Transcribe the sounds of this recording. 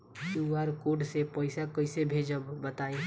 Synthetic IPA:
uaɾkoːɖsepəɪsakəɪsebʱeːd͡ʒəbbət̪aːe

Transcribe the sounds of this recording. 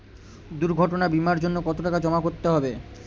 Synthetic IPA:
d̪uɾɡʱɔʈonabimaɾd͡ʑonːokɔt̪oʈakad͡ʑɔmakoɾt̪eɦɔbe

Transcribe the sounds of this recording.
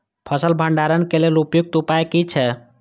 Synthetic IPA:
pʰəsəlbʱəɳɖaɾənkelelupjuɡ̚t̪upaekit͡ʃʰɛ

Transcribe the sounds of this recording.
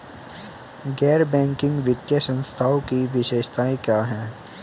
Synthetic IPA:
ɡɛːɾbɛ̃ːŋkɪ̃ŋɡʋɪt̪jəsə̃nst̪ʰaːokiʋɪʃeːʃt̪aːẽkjaːɦɛ̃ː

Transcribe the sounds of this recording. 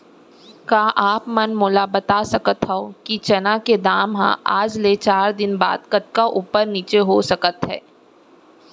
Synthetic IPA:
kaːʔaːpmɐnmoːlabɐt̪asɐkət̪ɦɛokit͡ʃɐnãked̪aːmɦã̰ʔaːd͡ʒlet͡ʃaːɾd̪ɪnba̰ːd̪kɐt̪̚kaʔuːpəɾniːt͡ʃeɦosɐkət̪ɦɛ̰ː

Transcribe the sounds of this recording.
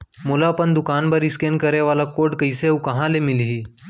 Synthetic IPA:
mulapəɳd̪ukanbəɾiskenkəɾeʋalakoʈkəjsewkə̃ɦãlemilɦiː

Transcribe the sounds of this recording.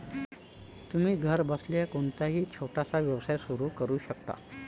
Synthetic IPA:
t̪um̤iːɡʱəɾbəsljakoɳt̪aɦiːt͡ɕʰoʈasaʋjəʋsajsuɾuːkəɾuːɕəkt̪a̰

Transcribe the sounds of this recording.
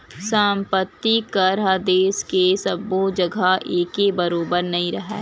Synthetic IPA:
saːmpət̪ːikaɾad̪eːskesɐbːod͡ʒɐɡʱaeːkebɐɾoːbəɾnɐɦĩɾɐɦɛ̰ː

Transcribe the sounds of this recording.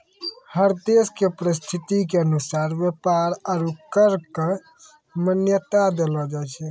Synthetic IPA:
həɾd̪eskepəɾist̪ʰit̪ikeənusaɾbjepaɾəɾukəɾke | mənjət̪ad̪elɔd͡ʒajt͡ʃʰɛ

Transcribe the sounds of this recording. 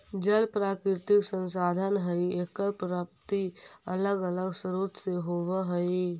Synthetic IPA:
d͡ʒəlpɾaːkɾɪɾt̪ɪksə̃nsaːd̪ʱənɦəieːkəɾpɾaːp̚t̪iɐ̰ləɡələɡsəɾuːt̪seɦoːʋəɦəi

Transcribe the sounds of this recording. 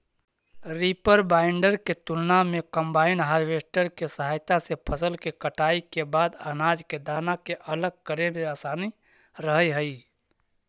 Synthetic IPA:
ɾipəɾbaɪɳɖəɾket̪ulnamekəmbaɪnɦaɾʋesʈəɾkesəɦajt̪asepʰəsəlkekəʈaikebaːd̪ənad͡ʒked̪aːnakeʔələɡ̚kəɾemeaːsaːni | ɾəɦəjɦəi

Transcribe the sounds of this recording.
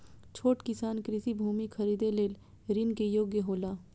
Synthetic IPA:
t͡ʃʰoːʈkɪsaːnkɾɪsibʱuːmikʰɐɾiːd̪eleːl | ɾɪnkejoːɡjəɦoːlaː

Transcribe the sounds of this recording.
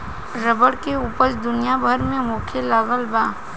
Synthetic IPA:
ɾəbəɽkeuːpəɾd̪ʊnijabʱəɾmẽmũːkʰelaɣəlbaː

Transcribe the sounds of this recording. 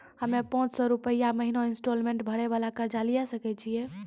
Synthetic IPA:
həmepɔ̃t͡ʃsɔɾupəijaməɦinoinsʈolmẽɳʈbʱəɽeβalakəɾd͡ʒalijasəkɛt͡ʃʰije

